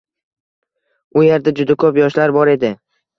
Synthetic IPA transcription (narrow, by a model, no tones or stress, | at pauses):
ʊjeɾd̪ad͡ʒʊd̪akʰɵpjɒʃlaɾbɒɾe̞d̪ɪ